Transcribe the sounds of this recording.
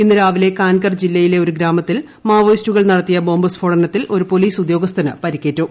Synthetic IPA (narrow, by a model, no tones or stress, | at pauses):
inːɨɾaːʋile̞kaːnkɐrd͡ʑilːɐjile̞oɾuɡɾaːmɐt̪ːil | maːʋɐjstuɣɐɭnɐɽɐt̪ːijɐbo̞ːmbɐsfʰo̞ːɽɐnɐt̪ːilo̞ɾupo̞liːsud̪jo̞ːɡɐst̪ʰɐnɨpɐɾikʲːe̞ːtːu